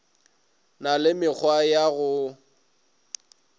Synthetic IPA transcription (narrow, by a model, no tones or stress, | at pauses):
nalɪmɪk͡xʰwajaɣʊ